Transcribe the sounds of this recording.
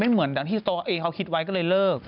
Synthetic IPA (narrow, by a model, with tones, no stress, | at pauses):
ma˥˩jmɯ˩˦əndaː˨˦ŋt̪iː˥˩t̪ɔː˧ʔeː˧ŋkʰa˦wkʰi˧t̪̚wa˧jkɔː˥˩lɤː˧jlɤː˥˩k̚